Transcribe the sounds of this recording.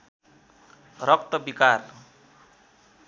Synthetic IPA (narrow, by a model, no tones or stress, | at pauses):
rʌk̚t̪ʌbikar